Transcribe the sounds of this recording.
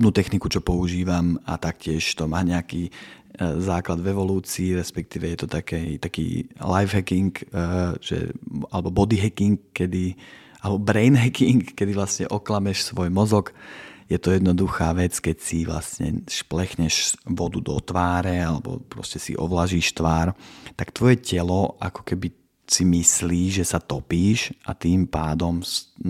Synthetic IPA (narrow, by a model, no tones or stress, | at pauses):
bnuːt̪ɛxnikut͡ʃɔpɔuʒiːʋama̰t̪akcɪɛʃt̪ɔmaːɲɛaki | zaːklad̪vɛʋɔluːt͡siːɾɛspɛk̚t̪iːʋɛjɛt̪ɔt̪akɛt̪akḭːlajvɦɛkiŋkːʒ̥ɛ̰alɛbɔbɔd̪iɦɛkiŋk̚ːɛd̪i | alɛbɔbɾɛjnɦɛkiŋkːɛd̪ivlast̪ɲɛ̰ʔɔklamɛʃsʋɔjmɔzɔkjɛt̪ɔjɛd̪nɔd̪uxaːʋɛt͡skɛcsiʋla̰sɲɛ̰ʃplɛxɲɛʃʋɔd̪ud̪ɔ̰t̪ʋaːɾɛalɛbɔ̰pɾɔ̰scɛsḭʔɔ̰ʋlaʒiːʃt̪ʋaːɾt̪akt̪ʋɔjɛcɛlɔʔa̰kɔ̥kɛbi | simisliːʒɛsat̪ɔpiːʃʔa̰t̪iːmpaːd̪ɔms